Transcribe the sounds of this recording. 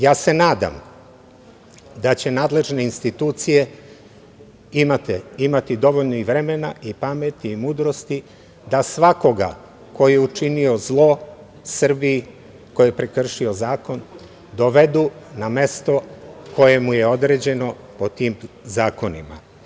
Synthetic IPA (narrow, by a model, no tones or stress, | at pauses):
jaːse̞naːd̪a̰m | d̪at͡ɕe̞naːd̪le̞ʒne̞inst̪it̪uːt̪sije̞ | imat̪eimat̪id̪o̞ʋoʎnoiʋɾe̞me̞naʔipame̞t̪iːmuːd̪ɾo̞st̪i | d̪asʋako̞ɡa̰ | ko̞jeut͡ʃinio̞zlˠo̞ | sr̩bii | ko̞jepɾekr̩ʃio̞zaːko̞n | d̪o̞ʋe̞d̪uname̞st̪o̞kʰo̞je̞muje̞o̞d̪ɾe̞ːd͡ʑe̞no̞ | po̞t̪iːm | zaːko̞nḭma̰